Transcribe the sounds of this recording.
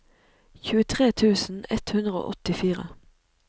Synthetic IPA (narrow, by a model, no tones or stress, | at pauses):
çʉːət̪ʰʁeːt̪ʰʉːsn̩ɛ̰t̪hʉnd̪ʁəo̰ːʔɔt̪ɪfiːʁə̰